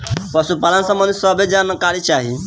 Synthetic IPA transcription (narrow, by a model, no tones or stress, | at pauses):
pəsupalənsə̃mːənd̪ʱisəbed͡ʒankaɾit͡ʃaːɦḭ